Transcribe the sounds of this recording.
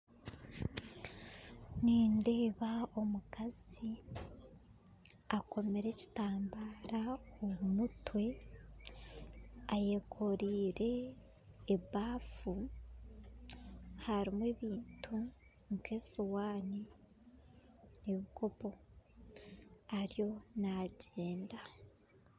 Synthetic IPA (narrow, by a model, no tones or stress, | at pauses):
niːndeːβao̞mukaz̥i | ako̞me̞ɾe̞ci̥taːmbaɾaomumutwe̞ | ajekʰo̞ɾiːɾe̞ː | βaːfu | haɾimweβiːntʰu | ŋke̞ːsuwaːni | eβikʰo̞po̞ | aɾijo̞naɟe̞ːnda